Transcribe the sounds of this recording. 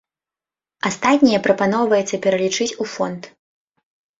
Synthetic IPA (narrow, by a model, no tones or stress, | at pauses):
ast̪at̪ʲnʲijɛpɾɐpanɔwvɐjɛt̪sːɐpʲɛɾɐlʲit͡ʂɨt͡sʲufɔnt̪